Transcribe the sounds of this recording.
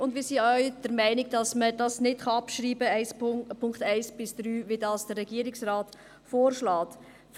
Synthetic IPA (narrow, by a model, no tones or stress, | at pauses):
ʊndvmiːsiœʏd̥əɾmæɪnɪɡ̚d̥ɑsməd̥ɑsnɪtχɑɑpʃɾiːbəɛɪspʰʊŋktæɪsb̥ɪsd̥ɾyːʋidɑːsd̥ərɛɡiəɾɪksɾɑːt | foːɾʃlɑːt | f